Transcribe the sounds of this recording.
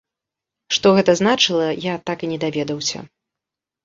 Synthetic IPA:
ʂt̪ɔɣɛt̪ɐznat͡ʂɨlˠɐjat̪akɨnʲɛd̪avʲɛd̪ɐwsʲɐ̰

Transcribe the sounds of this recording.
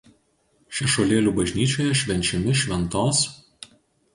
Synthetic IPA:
ʃʲɛʃoːlʲeːlʲuːbɐʒʲnʲiːt͡ʃʲoːjɛʃʲʋʲɛnʲt͡ʃʲɛmʲɪʃʲʋʲɛnt̪oːs

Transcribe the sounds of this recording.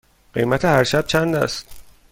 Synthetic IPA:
ɢ̥ejmæt̪ʰehæɾʃæb̥̚t͡ʃʰænd̪æ̰st̪

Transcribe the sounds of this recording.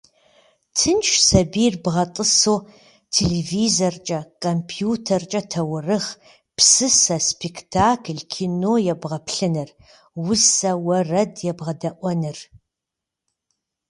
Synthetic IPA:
tʰɨnt͡ʃʰsɐbijrbʁɐtʼɨsoː | tʰeleviːzɐrt͡ʃʼɐkʼompʰjuːtʰɐrt͡ʃʼɐtʰɐwʊrɨχ | psɨsɐspʰektʰaːkʰɮkʰiːnoːjɛbʁɐpʰɬɨnɨr | wʊsɐwɐrɐdjɛbʁɐdɐʔʷɔnɨr

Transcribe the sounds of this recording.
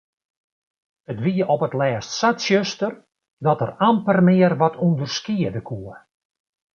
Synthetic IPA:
ətʋiəʔɔpətlɛːstsatsjøstər | dɔtərampərmɪərʋɔtʰundərskiədəkʰuə

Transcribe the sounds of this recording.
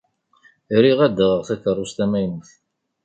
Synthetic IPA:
ɾiʁæd̪ːəʁəʁθækːərˤust̪æmæjnəθ

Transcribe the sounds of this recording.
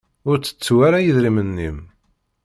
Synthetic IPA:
ʊɾt͡sːə̥t͡sːwaɾajəðɾimənːim

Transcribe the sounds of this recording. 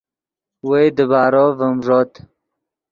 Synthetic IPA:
wejd̪əbaːɾovəmʐot̪

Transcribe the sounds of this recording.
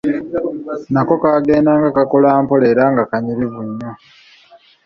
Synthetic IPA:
nako̞kaːɡe̞ːndaːŋɡakakolaːmpole̞ɾaːŋɡakaɲiɾiβuɲːo

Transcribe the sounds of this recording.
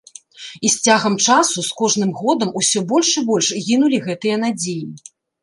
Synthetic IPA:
isʲt͡sʲaɣɐmt͡ʂasuskɔʐnɨmɣɔd̪ɐmusʲɔbɔlʲʂɨbɔlʲʂɣʲin̪ulʲiɣɛt̪ɨjɐn̪ad͡zʲeji

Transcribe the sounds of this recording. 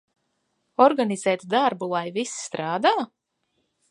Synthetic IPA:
ɔɾɡaniz̥ɛːt̪d̪aɾbulˠajvisst̪ɾaːd̪aː

